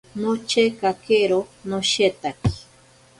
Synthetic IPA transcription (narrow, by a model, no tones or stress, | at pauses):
not͡ʃekakeɾonoʃet̪aki̥